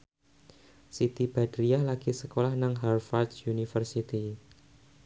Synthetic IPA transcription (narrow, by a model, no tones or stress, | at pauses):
sit̪ib̥ad̪̥ɾialaɡ̥isəkolahnaŋɦarfard̪sunifərsit̪i